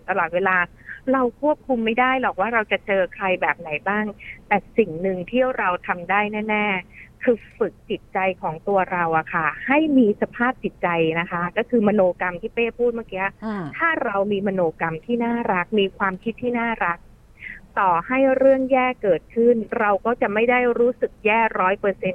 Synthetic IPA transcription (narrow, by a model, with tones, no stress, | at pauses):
t̪a˧lɔː˨˩t̪̚weː˧laː˧ | ɾa˧wkʰu˥˩əp̚kʰu˧mːa˥˩jdaː˥˩jlɔː˨˩k̚waː˥˩ɾa˧wt͡ɕa˨˩t͡ɕɤː˧kʰɾa˧jbɛː˨˩p̚na˩˦jbaː˥˩ŋt̪ɛː˨˩si˨˩ŋnɯ˨ŋt̪ʰiː˥˩ɾa˧wt̪ʰa˧mdaː˥˩jnɛː˥˩nɛː˥˩kʰɯː˧fɯ˨˩k̚t͡ɕi˨˩t̪̚t͡ɕa˧jkʰɔː˩˦ŋt̪u˧ɐɾa˧wʔa˨˩kʰa˥˩ha˥˩jmiː˧sa˧pʰaː˥˩p̚t͡ɕi˨˩t̪̚t͡ɕa˧jna˦˥kʰa˦˥kɔː˥˩kʰɯː˧mɔ˧noː˧ka˧mt̪ʰiː˥˩peː˥˩pʰuː˥˩t̪̚maː˥˩kiː˧˥ʔa˥˩t̪ʰaː˥˩ɾa˧wmiː˧mɔ˧noː˧ka˧mt̪ʰiː˥˩naː˥˩ɾa˦˥k̚miː˧kʰwaː˧mkʰi˦˥t̪ʰːiː˥˩naː˥˩ɾa˦˥k̚ | t̪ɔː˨˩ha˥˩jɾɯ˥˩əŋjɛː˥˩kɤː˨˩t̪̚kʰɯ˥˩nɾa˧wkɔː˥˩t͡ɕa˨˩ma˥˩jda˥˩jɾuː˦˥sɯ˨˩k̚jɛː˥˩ɾɔː˦˥jpɤː˧se˧n